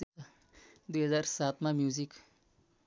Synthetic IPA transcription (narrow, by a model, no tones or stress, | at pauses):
d̪uɦəzaːɾsaːt̪mãmjuːzik